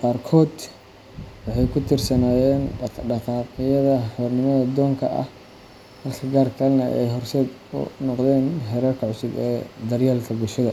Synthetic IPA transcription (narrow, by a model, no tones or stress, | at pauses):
qɑːrkʰɔːd̪ | wɑħɑjkʰʊt̪ʰɪrsɐnaːjɛːnbɐɖɐqʰɑːqɪjɐðɐħɔːrnɪmɐðɐd̪ɔːŋkʰɐʔɐ̰h | hɐlkʰɐɡaːrkʰɐlnɐʔɛ̰jɦɔrsɛːd̪ʊ̰nɔqd̪ɛːnɦɛɾɐrkʰɐʕʊsʊɡɛ̰ːd̪ɐrjaːlkʰɐɡʊlʃɐðɐ